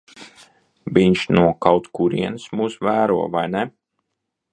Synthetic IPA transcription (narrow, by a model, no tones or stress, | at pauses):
vʲiɲt͡ʃnuɔkawt̪kuɾḭɛnɨsmuːsvæːɾuɔvajnɛ